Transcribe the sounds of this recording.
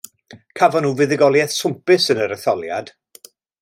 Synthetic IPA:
kʰavɔnuːvɪðɪɡɔlˠjɛθsʊmpɨsənəɾəθɔlˠja̰d̥

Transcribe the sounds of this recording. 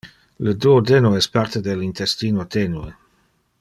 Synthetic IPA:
ləd̪uod̪enoɛspart̪ed̪elint̪ɛst̪iːnoat̪enue

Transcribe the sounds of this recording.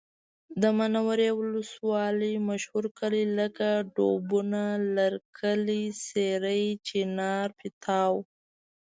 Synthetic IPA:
d̪əmanawaɾewʊləswɑləjmaʃhuɾkəliləkaɖo̰bunalaɾkʰəliseɾəjt͡ʃinɑɾpɪt̪ʰɑw

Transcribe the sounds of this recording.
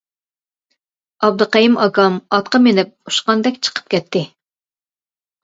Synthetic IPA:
ɑb̚d̪ɨqɑjimɑɡɑmɑt̪̚qɑmenɪp̚u̥ʃqɑnd̪ɛkʲt͡ʃʰə̥qʰə̥p̚kʲɛt̪ʰːɪ

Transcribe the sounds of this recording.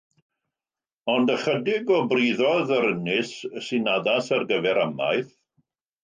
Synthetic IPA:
ɔndəχədɪɡɔbriːðɔðəɾənɪsːɪnaðasarɡəvɛɾama̰jθ

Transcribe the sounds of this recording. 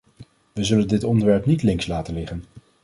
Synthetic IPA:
ʋəzɵləndɪtɔndəɹʋɛɹpnitlɪŋslaːtənlɪχən

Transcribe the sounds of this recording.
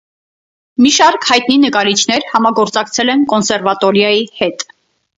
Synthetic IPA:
miʃɑɾkhɑjt̪̚ninəkɑɾit͡ʃʰnɛɾhɑmɑɡɔɾt͡sɑkt͡sʰɛlɛnkɔnsɛɾvɑt̪ɔɾjɑjihɛt̪

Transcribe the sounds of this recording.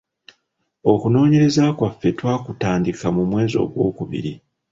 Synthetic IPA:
o̞kuno̞ːɲe̞ɾe̞zakwafːe̞twaːkutaːndikamumwe̞ːzo̞̰ːɡwo̞ːkuβḭɾi

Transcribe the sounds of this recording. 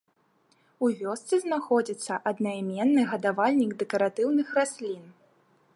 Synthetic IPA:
uvʲɔst̪sɨznaxɔd͡zʲit̪sːɐʔɐd̪najmʲɛnːɨɣɐd̪avalʲnʲiɡd̪ɛkɐɾat̪ɨwnɨxrasʲlʲin

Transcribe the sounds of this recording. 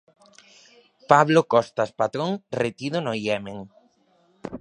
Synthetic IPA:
paβlokɔst̪aspat̪ɾoŋret̪iðonojɛmẽŋ

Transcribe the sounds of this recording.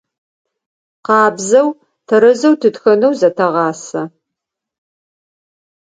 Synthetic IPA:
qɑːbzɐw | tʰɐɾɐzɐwtʰɨtxɐnɐwzɐtʰɐʁɑːsɐ

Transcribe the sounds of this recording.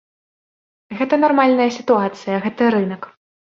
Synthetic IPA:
ɣɛt̪ɐnarmalʲnɐjɐsʲit̪uat̪sɨjɐɣɛt̪ɐɾɨnɐk

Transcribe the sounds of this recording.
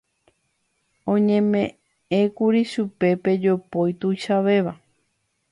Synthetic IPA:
õɲẽ̞mẽ | ẽ̞kuɾiʃupe̞pe̞d͡ʒopojt̪ujʃaʋe̞ʋa

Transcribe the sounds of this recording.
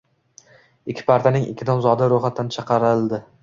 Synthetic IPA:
ɪkʲʰːɪ̥pʰaɾt̪ʰanɪŋɪ̰kʲːɪd̪ɒmzɒd̪aɾoχat̪ʰːant͡ʃʰɑqɑɾɪlˠd̪ɪ

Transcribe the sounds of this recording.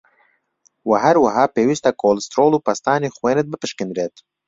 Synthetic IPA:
waɦɛɾwɐɦɑːpeːwist̪akʰolɨst̪ɾoːluːpɐst̪aːneːxweːnɨt̪̚bɨpɨʃkɨnɾeːt̪

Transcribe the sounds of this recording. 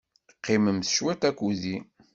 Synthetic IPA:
qːɪməmθʃwæt̪ækʷːuði

